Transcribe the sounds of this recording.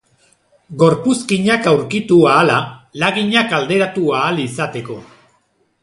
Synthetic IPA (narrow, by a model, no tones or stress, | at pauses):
ɡo̞ɾpuskiɲakawɾkit̪uaːlalaɣiɲakald̪e̞ɾat̪uaːlisat̪e̞ko̞